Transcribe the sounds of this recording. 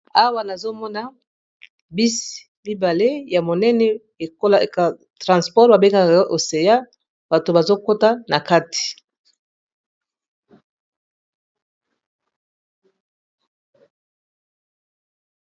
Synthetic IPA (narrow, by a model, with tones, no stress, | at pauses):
a˦wa˦na˨zo˦mɔ˦na˦ | bi˦si̥˨mi˦ba˨le˦ja˨mo˨nɛ˦nɛ˦ | e˨ko˦la˨ | tʁã˨spɔ˦ʁba˨be˦ka˦kʔo˨se˨ja˦ | b̥a˨to˨ba˨zo˦ko˦ta˦na˨ka˦ti̥˨